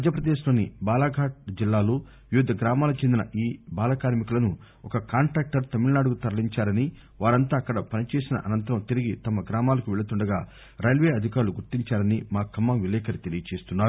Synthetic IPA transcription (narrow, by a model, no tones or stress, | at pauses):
d͡ʒɐpɾɐd̪eːʃlo̞ːnibaːlaːɡʱaːʈ̚d͡ʒilːaːloː | ʋjud̪ʱːɐɡɾaːmaːlɐkut͡ʃend̪inɐ̰ʔiːbaːlaːkaːɾmikulɐnu | ɔkɐkaːɳʈɾaːk̚ʈɐɾt̪ɐmiɭɐnaːɽukut̪ɐɾɐliɲt͡ʃaːɾɐni | ʋaːɾɐnt̪aːɐkːɐɽɐpɐnit͡ʃeːsinɐ̰ʔɐnɐnt̪ɐɾɐmt̪iɾiɡit̪ɐmɐɡɾaːmaːlɐkuʋɛɭɐt̪uɳɖɐɡaː | ɾɐjlʋeːɐd̪ʱikaːɾuluɡuɾtiɲt͡ʃaːɾɐnimaːkɐmːɐmʋilɛːkɐɾit̪e̞lijɐt͡ʃe̞ːst̪unːaːɾu